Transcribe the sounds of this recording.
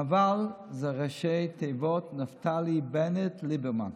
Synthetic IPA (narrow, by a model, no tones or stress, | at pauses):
avalˠzɛʁɛʃeɪtʰeɪvɔtnaftʰalˠibɛnɛtʰlibɛɾma̰n